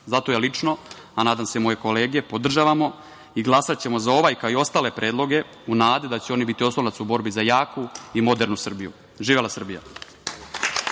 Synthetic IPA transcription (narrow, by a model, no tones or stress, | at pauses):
zat̪ojalit͡ʂno̞ | anaːd̪amse̞mo̞je̞ko̞le̞ːɡe̞pod̪r̩ʒaːʋamo̞ | iɡlˠasat̪t͡ɕe̞mo̞zao̞ʋajkaoio̞st̪aːle̞pɾʔe̞ːd̪lˠo̞ɡe̞ | unaːd̪ed̪at͡ɕeo̞nibit̪io̞slˠolat̪subo̞ɾbizajaːkuimo̞d̪e̞ɾnusr̩bijṵ | ʒiːʋelasr̩bija̰